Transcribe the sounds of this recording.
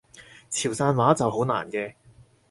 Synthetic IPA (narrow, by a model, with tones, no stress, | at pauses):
t͡sʰi˨˩wsaː˧nwaː˨˥t͡sɐ˨wɦo˨˥na̰ː˨˩nkɛː˧